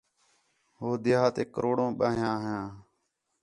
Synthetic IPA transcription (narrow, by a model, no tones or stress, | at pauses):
ɦoːd̪ɪaːt̪eːkəɾoːɽõːɓaːɦjãːɦjãː